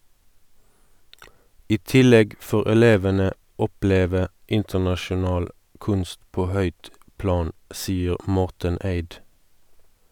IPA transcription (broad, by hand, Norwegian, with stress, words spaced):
ˈiː ˈtɪˌlɛɡ ˈfoːʁ ɛˈleːʋənə ˈɔˌpleːʋə ˈɪntəʁnɑʃʊˌnɑːl ˈkʉnst ˈpoː ˈhœʏt ˈplɑːn ˈsiːəʁ ˈmɔʁtən ˈæɪd